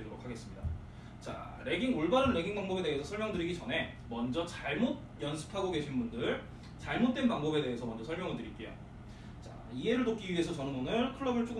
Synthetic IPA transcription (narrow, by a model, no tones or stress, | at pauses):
doɾokʰaɡe̞s͈ɯmɲida | t͡ɕa̰ɾe̞ɡiŋoɭbaɾɯnɾe̞ɡiŋbaŋbʌbe̞de̞ɦesʰʌsʰʌɭmjʌŋdɯɾiɡit͡ɕʌnɦe̞ | mʌnd͡ʑʌt͡ɕaɭmot̚jʌnsʰɯ̥pʰaɡoɡe̞ɕʰinbundɯɭ | t͡ɕaɭmot͈̚we̞npaŋbʌbe̞de̞ɦesʰʌmʌnd͡ʑʌsʰʌɭmjʌŋɯɭdɯɾik͈e̞jo̰ | t͡ɕa̰ | ie̞ɾɯɭnok̚k͈iɥiɦe̞sʰʌt͡ɕʌnɯnonɯɭkʰɯɭːʌbɯɭt͡ɕ͈ʰoɡ